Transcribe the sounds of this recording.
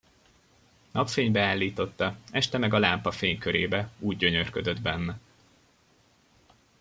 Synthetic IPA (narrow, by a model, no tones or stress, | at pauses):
nɒpfeːɲbɛaːlːiːt̪o̞t̪ːɒɛʃt̪ɛmɛɡɒlaːmpɒfeːɲkøɾeːbɛuːɟɟø̞ɲø̞rkød̪ø̞d̪bɛnːɛ